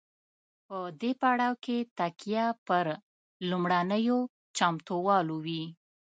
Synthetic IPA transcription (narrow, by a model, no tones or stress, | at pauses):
pəd̪epaɽɑwket̪akijapəɾ | lumɽanəjo | t͡ʃɑmt̪owɑlowi